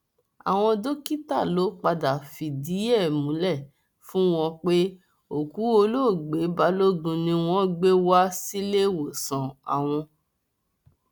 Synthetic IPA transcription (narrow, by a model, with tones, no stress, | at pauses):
a̰˨w̃ɔ̃˧do˦ki˦ta˦˨lo˨˦k͡pa˧da˨fi˨di˨˦ɛ˦˨mũ˨˦lɛ˦˨ | fũ˦w̃ɔ̃˧k͡pe˦ | o˨ku˨˦o˧lo˦˨ɡ͡be˨˦ba˨˦lo˦ɡũ˧nĩ˧w̃ɔ̃˦ɡ͡be˦wa˦si˦le˦˨wo˨sã˨a̰˨w̃ɔ̃˧